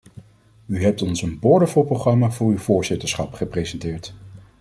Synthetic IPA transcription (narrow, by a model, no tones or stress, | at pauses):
yɦɛp̚tɔnsənbɔɹdəfolˠprowχrɑmaːvʊːɹywvʊːɹzɪtəɹsχɑpχəprezɛntɪːɹt